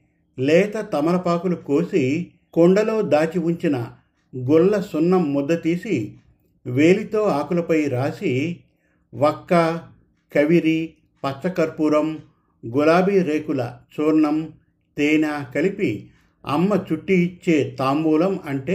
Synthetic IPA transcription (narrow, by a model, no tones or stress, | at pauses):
lɛːt̪ɐt̪ɐmɐɾɐpaːkulukoːsi | kɔɳɖɐlo̞ːd̪aːt͡ʃiʋuɲt͡ʃinɐ | ɡuɭːɐsunːɐmːud̪ːɐt̪iːsi | ʋeːlit̪o̞ːaːkulɐpɐjɾaːsi | ʋɐkːɐ | kɐʋiɾi | pɐt͡ʃːɐkɐɾpuɾɐm | ɡulaːbiɾeːkulɐ̰t͡ʃuːɾɳɐm | t̪ɛːnaːkɐlipi | ɐ̰mːɐt͡ʃuʈːiːt͡ʃːe̞ːt̪aːmbuːlɐmɐɳʈeː